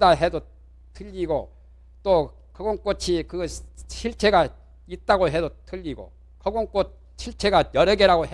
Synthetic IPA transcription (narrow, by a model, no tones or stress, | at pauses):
daɦedo | tʰɯʎːiɡo | t͈o | kʌɡonk͈ot͡ɕʰikɯɕʰiɭt͡ɕʰe̞ɡa | it̚t͈aɡoɦe̞dotʰɯʎːiɡo̰ | kʌɡoŋk͈ot̚ | ɕʰiɭt͡ɕʰe̞ɡajʌɾʌɡeɾaɡoɦ